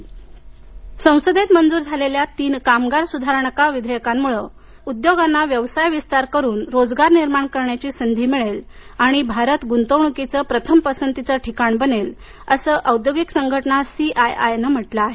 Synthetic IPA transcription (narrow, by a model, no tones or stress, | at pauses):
sə̃w̃səd̪ʱet̪mənd͡zuːɾd͡zʱaleljat̪iːnkamɡaɾsud̪ʱaɾɳəkaʋid̪ʱəjkamːuɭə | ud̪joɡanːaʋjəʋsajʋist̪aɾkəɾuːnɾod͡zɡaɾniɾmaɳkəɾɳjat͡ɕiːsənd̪ʱiːmiɭelaɽ̃ibʱaɾət̪ɡunt̪əwɳukit͡səpɾət̪ʰəmpəsənt̪it͡səʈʰikaɳbənel | əsəːʔəwd̪joɡiksəŋɡʱəʈnasiʔajajnəm̤əʈlaːɦe